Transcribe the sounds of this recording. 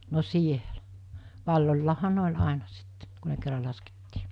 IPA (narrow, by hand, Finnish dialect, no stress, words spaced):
no sielæ̥ ʋɑlːolʲlɑːhɑ ne olʲ ɑˑenɑ sitːe ku ne kerːɑ lɑsketːiː